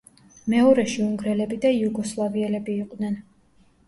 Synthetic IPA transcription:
mɛɔɾɛʃiuŋɡɾɛlɛbid̪aiuɡɔslˠaviɛlɛbiːqʼd̪nɛn

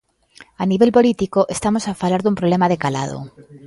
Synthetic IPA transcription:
aniβ̞e̞lpo̞lit̪ikoʔest̪amosafalaɾðumpɾoβle̞maðekala̰ð̞o̰

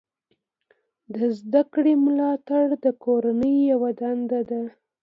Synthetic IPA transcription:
d̪əzd̪akɽemlɑt̪aɽd̪əkoɾanəjːawad̪and̪ad̪a

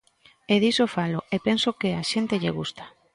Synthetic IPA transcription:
eðisofaloepensokeaʃent̪eʎeɣ̞ust̪ḁ

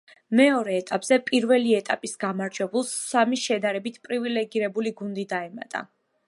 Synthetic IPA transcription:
mɛɔɾɛːt̪ʼapʼz̥ɛpʼiɾvɛliɛt̪ʼapʼisɡamaɾd͡ʒwɛbulˠsːamiʃɛd̪aɾɛbit̪ʰpʼɾivilɛɡiɾɛbuliɡund̪id̪aɛma̰t̪ʼa̰

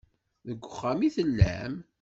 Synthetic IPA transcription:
ðəɡʷːəχːæmiθəlːæ̰m

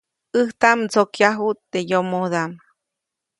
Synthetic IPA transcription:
ɨht̪amt͡sokjaɦut̪ːejomod̪am

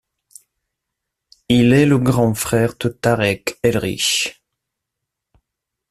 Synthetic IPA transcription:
ilɛləɡʁɑ̃fχɛʁt̪ət̪aʁɛkɛlʁḭʃ

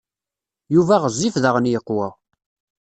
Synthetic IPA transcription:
juvæʁəzˤːifðəʁənjəqːwæ

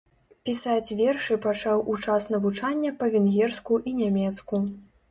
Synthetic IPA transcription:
pʲisat͡sʲvʲɛrʂɨpat͡ʂawʔut͡ʂasnɐvut͡ʂanʲːɐpɐvʲɛnɣʲɛrskuʔinʲamʲɛt̪sku

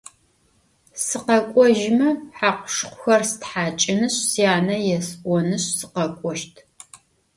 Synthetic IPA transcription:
sɨqɐkʷʼɔʒɪmɐħaːqʷʊʃqʷʊxɐrsɨtħaːt͡ʃʼɪnɨɕsijaːnɐjɛsʔʷɔnɨɕsɨqɐkʷʼɔʃtʰ

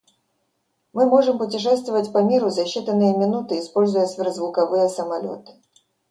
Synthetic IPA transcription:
mɨmo̞ʐɨmpʊtʲɪʂ̬ɛst̪vɪvətʲpɐmʲiɾʊzɐɕːit̪ənːɨjəmʲɪnut̪ɨɪspo̞lʲzʊjəsvʲɪɾəzvʊkɐvɨjəsəmɐlʲo̞̰t̪ɨ̥

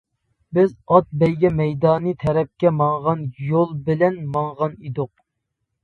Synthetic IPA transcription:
bɪzɑt̪̚bɛjɡʲɛmɛjd̪ɑːnɨt̪ʰɛɾɛp̚kʲɛmɑɴʁɑnjolˠbɪlɛnmɑŋʁɑnid̪ʊq̚

